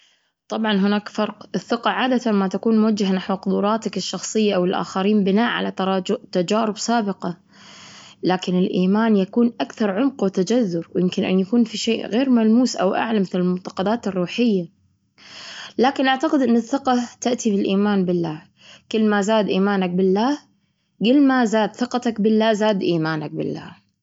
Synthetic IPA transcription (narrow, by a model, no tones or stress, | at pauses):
t̪ˤɑbʕɑnɦʊnaːkfɑɾˤqɪθːɪqɑʕaːd̪at̪anmat̪akuːnmʊwad͡ʒːaɦanaħwqʊd̪uːɾˤɑːt̪akɪʃːɑxsˤɨjːaʔawɪlʔa̰ːxaɾiːmbɪnaːʔʕa̰lat̪ɾˤɑːt̪ad͡ʒaːɾɪbsaːbɪqɑ | laːkɪnɪlʔiːmaːnjakuːnʔakθɑɾˤʕʊmqwt̪ad͡ʒazːʊɾwjɪmkɪnʔɪ̰njakuːnfiʃeːʔɣeːɾmalmuːsʔa̰wʔa̰ʕlamɪθlɪlmʊnt̪ɑ̥qɑd̪aːt̪ɪrːuːħɪjːa | laːkɪnʔaʕt̪aqɪd̪ʔɪnːɪθːɪqɑt̪aʔt̪ibɪlʔiːmaːnbɪlːaː | kɪlːmazaːd̪ʔiːmaːnak̚bɪlːaː | ɡɪlːmazaːd̪θɨqɑt̪akbɪlːaːzaːd̪ʔiːmaːnak̚bɪ̰lːa̰ː